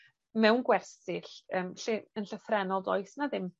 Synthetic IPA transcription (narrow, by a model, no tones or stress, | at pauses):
mɛwnɡwɛrsɪɬəːmɬiənɬəfrɛnɔlˠdɔɨsnaðɪm